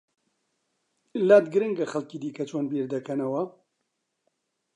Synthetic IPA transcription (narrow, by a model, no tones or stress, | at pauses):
laːt̪ɡɨɾɨŋɡɐxɐlkiːd̪iːkɐt͡ʃʰoːnbiːɾd̪ɐkʰɐnɐwɐ